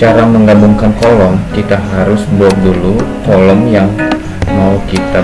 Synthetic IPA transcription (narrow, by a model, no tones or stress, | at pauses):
t͡ʃaɾaməŋɡabuŋkankɔlɔmkit̪aɦaɾʊsbuat̪̚dulukɔlɔmjaŋ | maukit̪a